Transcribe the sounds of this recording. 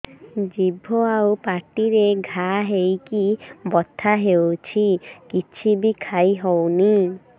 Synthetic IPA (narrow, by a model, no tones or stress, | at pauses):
d͡ʒibʱoawpaʈiɾeɡʱaɦejkibɔt̪ʰaɦewt͡ʃʰikit͡ʃʰibikʰajɦɔwni